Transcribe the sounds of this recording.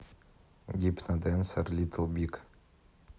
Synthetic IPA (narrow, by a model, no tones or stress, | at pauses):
ɡʲipnad̪ensəɾlʲit̪ʰəlˠbʲik